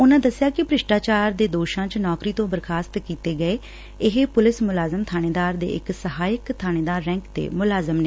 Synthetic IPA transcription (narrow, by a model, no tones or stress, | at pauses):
ʊnãːd̪əsːɪjaːkɪpɾɪʃʈaːt͡ʃaːɾd̪eːd̪oːʃãːt͡ʃnɔːkɾiːt̪õːbəɾkʰaːst̪kiːt̪eːɡəeː | ɪɦepʊlɪsmʊlaːzəmt̪ʰaːñeːd̪aːɾd̪ḛːʔɪ̰ksəɦaːjəkt̪ʰaːñeːd̪aːɾːɛ̃ːŋkt̪ḛːmʊlaːzəmneː